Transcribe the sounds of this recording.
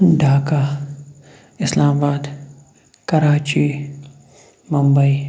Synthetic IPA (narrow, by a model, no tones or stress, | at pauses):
ɖaːka | ɪslaːmabaːd̪ | kɐɾaːt͡ʃi | mɐmbɐi